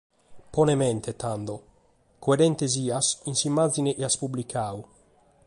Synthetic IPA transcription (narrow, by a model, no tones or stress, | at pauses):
pɔnemɛnt̪ʰet̪and̪o | koeɾɛnt̪eziːasinsimːad̪zineʔeaspublikʰaːu